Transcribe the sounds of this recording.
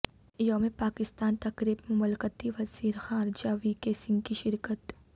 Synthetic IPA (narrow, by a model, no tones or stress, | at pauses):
jomẽpaːkɪst̪aːnt̪ɐkɾiːbmʊməlkət̪iʋɐziːɾxaːɾd͡ʒaːʋikesɪ̃ŋɡkiʃɪɾkət̪